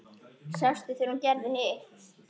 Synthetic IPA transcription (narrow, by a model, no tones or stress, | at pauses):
sast̪ɪθejɾuncɛɾðɪnɪ